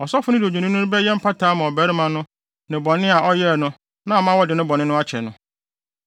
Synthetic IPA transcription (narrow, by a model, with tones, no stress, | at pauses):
ɔ˨sɔ˦fʊ˦nɪ̃˦dɪ˨o˨d͡ʑũ˨nɪ̃˦nʊ̃˦bɛ˦jɛ˦m̩˦pʰa˦tʰaː˨˦mã˨ɔ˨bæ˦ɾɪ˦mã˨nʊ̃˦ | nɪ̃˨bɔ̃˨nɪ̃˦a˨ʔɔ˦jɛ˦˨nʊ̃˦ | nã˦˨mã˦wɔ˦dɪ˨nʊ̃˦bɔ̃˨nɪ̃˦nʊ̃˦a˦t͡ɕʰɛ˨nʊ̰̃˦